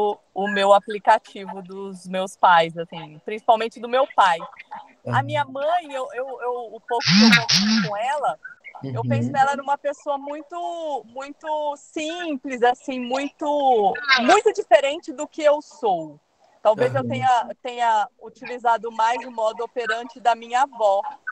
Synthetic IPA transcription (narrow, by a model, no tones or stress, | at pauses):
ʊ | ʊmewaplikat͡ʃivʊd̪ʊzmewspajzasĩpɾĩsi̥pawmẽnt͡ʃɪd̪ʊmewpaj | ɐ̰mĩɲɐmɐ̃j̃ewewewʊpowkʊkeokõɛlɐewpẽsʊnɛlɐɛnũmɐpesoɐmũj̃t̪ʊmũj̃t̪ʊsĩplɪzasĩmũj̃t̪ʊmũj̃t̪ʊd͡ʒifeɾẽnt͡ʃɪd̪ʊkɪewsow | t̪awvezewt̪ẽɲɐt̪ẽɲɐut͡ʃilizad̪ʊmajzɪ̃mɔd̪ʊopeɾɐ̃nt͡ʃɪd̪ɐmĩɲɐavɔ